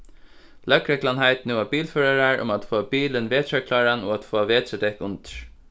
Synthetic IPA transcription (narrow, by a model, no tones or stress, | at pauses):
lœkɾɛkʰlanhaɪt̪nuːabiːlføːɹaɹaɹʊ̰mat̪foːabiːlənʋeːt̪ʰɹakʰlɑːɹanoat̪foːaʋeːt̪ɹɛd̪ɛkʊnt̪ə̥ɹ̥